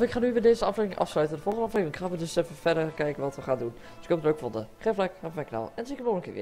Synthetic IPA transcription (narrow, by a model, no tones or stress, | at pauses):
ɪkχaːnyʋɪːdeːzəɑfleːvɪŋʔɑ̰fslœɥtəndəvɔlˠχəndəɑfleːvɪŋɪkχaːʋədøsɛfəfɛdəɹkɛjkənʋɔtʋəχaːndun | dsɪkhopətløɥkfɔndəχɛflɛkafmɛkna̰ːlˠɛnsikənoːənkɪ̰ːʋɪ̰